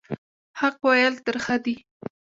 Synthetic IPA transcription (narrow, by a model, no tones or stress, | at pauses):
haqwajalt̪əɾxad̪i